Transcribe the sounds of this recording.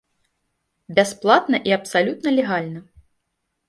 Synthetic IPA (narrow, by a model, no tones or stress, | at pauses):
bʲasplˠat̪nɐʔiɐpsalʲut̪nɐlʲɛɣalʲnɐ